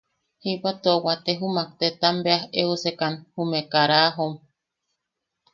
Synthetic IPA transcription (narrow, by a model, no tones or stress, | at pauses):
hiwat̪oowat̪eɦumak̚t̪et̪ambeaheusekanhumekaɾaɦom